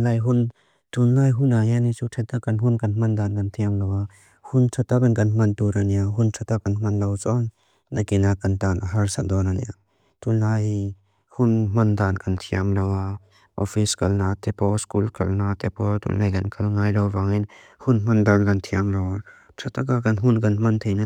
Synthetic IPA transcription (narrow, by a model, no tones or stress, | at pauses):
lajɦun | t̪unlajɦunajanit͡sutʰɛt̪akɐnɦunkɐnm̥ɐnd̪ankɐntʰiamlɐwa | huntʰat̪akɐnkɐnmɐntuɾaniaɦʊntʰat̪akɐnmɐnlɐwt͡sɔnː | akinakɐnt̪anʔaɦaɾsaʔd̪ɔnanḭa | tulːaj | hunm̥ɐnd̪ankɐnt̪ʰiamlawa | ʔɔfʰiskɐlnat̪ʰɛpɔskulkʰɐlnat̪ɛpɔt̪ṵlnajkɐnkʰɐlŋajlawbaŋin | hunm̥ɐnd̪ankɐnt̪ʰiamlɐwa | tʰat̪akakɐnɦunkɐnmɐnt̪ʰejna